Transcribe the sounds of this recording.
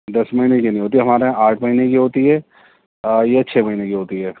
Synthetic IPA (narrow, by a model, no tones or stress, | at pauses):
d̪ɐsmɐɦiːnekinɐ̃ĩɦoːt̪iɛɦɐmaːɾeɦɛ̃ʔaːʈʰmɐɦinekiɦoːt̪iɦɛː | jat͡ʃʰeːmɐɦinekiɦoːt̪iɦɛː